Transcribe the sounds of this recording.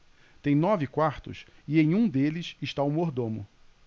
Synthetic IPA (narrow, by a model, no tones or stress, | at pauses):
t̪ẽj̃nɔvɪkwaɾt̪ʊsɪẽj̃ũd̪elɪsɪʃt̪aumoɾd̪õmʊ̰